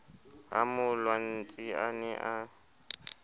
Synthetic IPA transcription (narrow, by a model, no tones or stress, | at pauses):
a̰mʊlwan̩t͡sʼianɛʔa